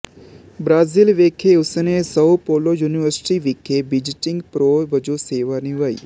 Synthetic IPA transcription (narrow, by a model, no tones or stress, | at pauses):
bɾaːzilʋeːkʰeʊsnesɐpoːlojuːniʋəɾsʈiʋɪːkʰebɪd͡ʒɪʈɪ̃ŋɡpɾoːbɐd͡ʒoseːʋanɪʋaːḭː